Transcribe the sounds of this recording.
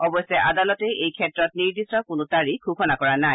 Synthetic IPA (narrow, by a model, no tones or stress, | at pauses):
ɔbɔjsɛʔadalɔtɛejkʰɛtɹɔt̚niɹdisɔkʊnʊtaɹikʰukʰɔnakɔɹanaj